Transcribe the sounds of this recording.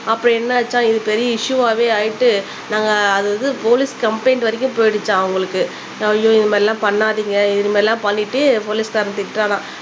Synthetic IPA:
ɐpːɯɽɐ̃ɛnːɐʋɐt͡ʃːãːɪðɯpɛɾɪjɐɪʂɯʋaːʋeːaːjɪʈːɯ | naːŋɡɐːðɯɐðɯpoːlɪskɐmpɐɪnʋɐɾɪk̬ʲːɯ̃mpoːjɽɯt͡ʃːãːɐʋɐŋɡɐɭɯkːɯ | ɐjoːɪnɐmaːɾɪlːãːpɐɳːaːðiːŋɡɐɪðɐnɐmaːɾɪlːãːpɐɳːɪʈːɯpoːlɪskɐɾɐnt̪ɪʈːɾaːnãː

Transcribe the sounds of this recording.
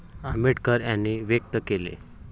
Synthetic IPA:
amiʈkəɾjanːiʋjək̚t̪əkelḛ

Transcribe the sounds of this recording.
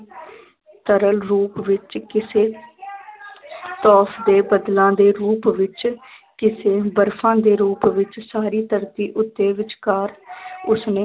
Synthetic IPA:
t̪əɾəlɾuːpʋɪt͡ʃkɪseː | t̪ɔːfʰd̪eːbəd̪lãːd̪eːɾuːpʋɪt͡ʃkɪseːbəɾfʰãːd̪eːɾuːpʋɪt͡ʃsaːɾiːt̪əɾt̪iːʔʊt̪ːeːʋɪt͡ʃkaːɾʊsneː

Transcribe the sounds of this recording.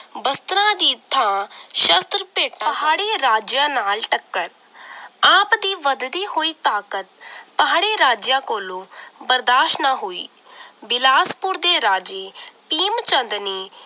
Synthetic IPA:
bəst̪ɾãːd̪iːt̪ʰːãːʃəst̪ɾəpeːʈaɦaːɽeːɾaːd͡ʒjãːnaːlʈəkːəɾ | aːpd̪iːʋəd̪d̪iːɦoːiːt̪aːkət̪pəɦaːɽeːɾaːd͡ʒjãːkoːlõːbəɾd̪aːʃnãːɦoːḭː | bɪlaːspʊɾd̪eːɾaːd͡ʒeːpiːmt͡ʃə̃nd̪neː

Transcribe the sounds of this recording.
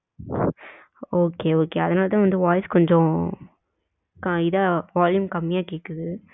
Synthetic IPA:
oːkeːoːkeːɐðɐnaːlɐt̪ãːʋɐnd̪ɯʋaːjskɔɲd͡ʒɔ̃ | kɐɪðɐʋaːljʊmkɐmːɪjaːkeːkːɐðɯ

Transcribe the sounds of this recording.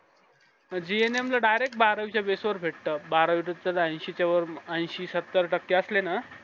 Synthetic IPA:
d͡ʑieneamlaɖajɾek̚ʈ̚baɾəʋit͡ɕjabesʋəɾbʱeʈt̪əːbaɾəʋiʈət͡səlãj̃ɕit͡ɕaʋəɾãj̃ɕiːsət̪ːəɾʈəkːeəslena

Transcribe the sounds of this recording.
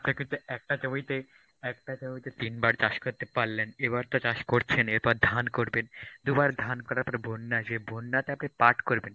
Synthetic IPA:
apnekint̪uɛk̚ʈat͡ɕomit̪e | ɛk̚ʈat͡ɕomit̪et̪inbaɾt͡ɕaʃkoɾt̪epaɾleneβaɾt̪at͡ɕaʃkoɾt͡ɕʰeneɾpɔɾd̪ʱankoɾbend̪ubaɾd̪ʱankɔɾaapnebʱonːad͡ʒebʱonːat̪eapnepaʈkoɾben

